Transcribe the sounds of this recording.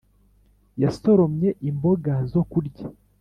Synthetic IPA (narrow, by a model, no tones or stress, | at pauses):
jasoɾo̞mɲe̞ʔimbo̞ɡazo̞kuɾɟa